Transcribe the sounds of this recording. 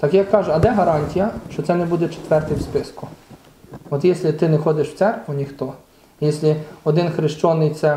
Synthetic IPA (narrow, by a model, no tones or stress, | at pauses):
t̪ɑkjɑkːɑʒʊɐd̪ɛɦɐɾɑnʲtʲijɐʃt͡ʃɔtsɛnɛbud̪ɛt͡ʃe̥t̪ʋɛrt̪ɪjwspɪskʊ | ɔt̪jɛsʲlʲɪt̪ɪnɛxɔd̪ɪʃw̥tsɛrkʋʊnʲixt̪ɔ | jɛsʲlʲɪɔd̪ɪnxɾɪʃt͡ʃɔnɪjt̪sɛ